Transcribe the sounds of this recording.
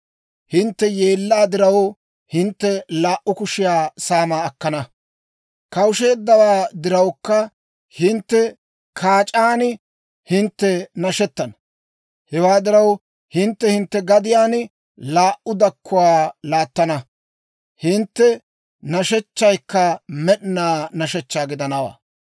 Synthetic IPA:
hɪnt̪ːɛje̞ːlːaːd̪ɪɾɐw | hɪnt̪ːɛlaːʔʊkʊʃɪjaːsaːmaːɐkːɐnɐ | kɐwʊʃe̞ːd̪ːɐwaːd̪ɪɾɐwkːɐ | hɪnt̪ːɛ | kʰaːt͡ʃʼaːn | hɪnt̪ːɛnɐʃɛt̪ːɐnɐ | hɛwaːd̪ɪɾɐw | hɪnt̪ːɛhɪnt̪ːɛɡɐd̪ɪjaːn | laːʔʊd̪ɐkːʊwaːlaːt̪ːɐnɐ | hɪnt̪ːɛ | nɐʃɛt͡ʃːɐjkːɐmɛɗnaːnɐʃɛt͡ʃːaːɡɪd̪ɐnɐwa̰ː

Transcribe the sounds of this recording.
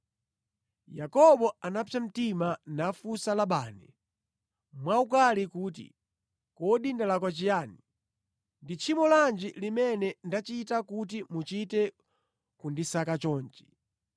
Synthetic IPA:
jakɔɓɔanapʰjam̩timanafusalaɓaːnɛ | mwaukalikuːt̬ḭ | kɔɗindalakwat͡ʃijaːni | ndit͡ʃʰimɔland͡ʒilimɛnɛndat͡ʃitakut̬imut͡ʃitɛ | kundisakat͡ʃɔːnt͡ʃi̥

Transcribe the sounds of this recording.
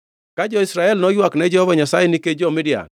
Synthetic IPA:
kad͡ʒɔisɾaɛlnɔjwaknɛd͡ʒɛhɔvaɲasajeniked͡ʒɔmidia̰

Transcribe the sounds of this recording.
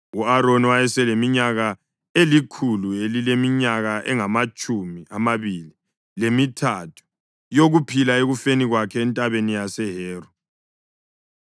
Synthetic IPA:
uaɾonwajɛsɛlemiɲaɣa | elikʰuluelilemiɲaɣaʔɛŋamat͡ʃʼumiamaβili | lemitʰatʰu̥ | joɣupʰilaeɣufeniɣwakʰɛːntʼaβenijasɛɦɛːrɔ

